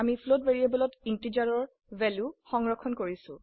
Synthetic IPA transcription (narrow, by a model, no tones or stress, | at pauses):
amipʰlotveɹiebɔlɔtintid͡ʒaɹɔɹ | vɛljuxɔŋɹɔkʰːɔnkoɹisʊ̃